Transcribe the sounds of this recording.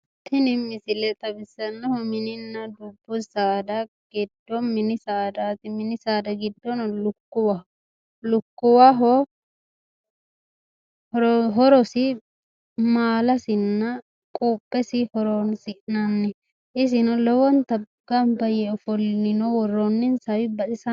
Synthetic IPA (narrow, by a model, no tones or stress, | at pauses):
t̪ʰɪnɪmɪsɪlɛt̪ʼɐbɪsːɐnːɔhɔmɪnɪnːɐd̪ʊbːʊsaːd̪ɐ | ɡ̥ɪd̪ːɔmɪnɪsaːd̪at̪ɪmɪnɪsaːd̪ɐɡɪd̪ːɔnlʊkːʊwɐ | lʊkːʊwaɦɔ | ɔɾɦɔɾɔsɪ | maːlɐsɪnːɐ | kʼoːpʼːɛsɪhɔɾɔnsɪʔnɐnːɛ | ʔɪs̬ɪnɔlɔwɔnt̪ɐ | ɡ̥ɐmbɐjɛɔfɔlːɪnɔwɔrːɔnːɪnsɐwɪbɐsɪsɐ